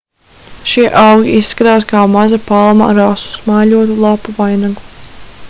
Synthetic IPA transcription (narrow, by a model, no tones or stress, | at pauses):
ʃiɛʔawɡʲiʔisːkaɾaːskaːmazapalˠma̰ɾasu̥smaːʎuɔt̪ulˠapuvajnaɡu